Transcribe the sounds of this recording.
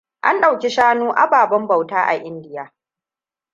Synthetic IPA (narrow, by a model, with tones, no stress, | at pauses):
ʔa˦nɗa˨wkʲi˦ʃaː˦nuː˦ʔa̰˨baː˨bɐ˦mbɐ˨wtaː˦ʔa̰˨ʔɪ˦ndɪ˦jaː˦